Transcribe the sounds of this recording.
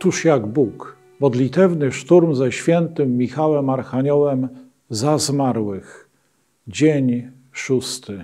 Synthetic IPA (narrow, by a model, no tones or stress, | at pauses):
t̪uʂjaɡbuk | mɔd̪lʲit̪ɛvnɘʂt̪uɾmzɛɕfʲjɛnt̪ɘmːʲixawɛmaɾxaɲɔwɛm | zazmaɾwɘx | d͡ʑeɲ | ʂust̪ɘ